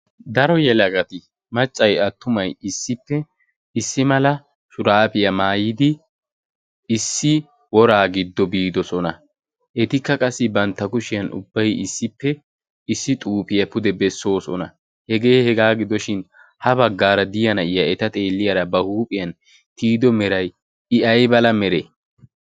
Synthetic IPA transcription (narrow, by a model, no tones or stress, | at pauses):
d̪ɐɾɔjɛlɐɡɐt̪ɪ | mɐt͡ʃʼːɐjɐt̪ːʊmɐjɪsːɪpːɛ | ɪsːɪmɐlɐ | ʃʊɾaːpɪjɐmaːjɪd̪ɪ | ɪsːɪ | wɔɾaːɡɪd̪ːɔbiːd̪ɔsɔnɐ | ʔɛt̪ɪkːɐkʼɐsːɪbɐnt̪ːɐkʊʃɪjɐnʔʊ̰bːɐjɪsːɪpːɛ | ɪsːɪt̪ʼuːpʼɪjɐpʊd̪ɛbɛsːo̞ːsɔ̰nɐ̰ | hɛɡeːhɛɡaːɡɪd̪ɔʃɪn | hɐbɐɡːaːɾɐd̪ɪjɐnɐɪjɐɛt̪ɐt̪ʼe̞ːlːɪjɐɾɐbɐhuːpʼɪjɐn | t̪iːd̪ɔmɛɾɐj | ɪʔɐjbɐlɐmɛɾe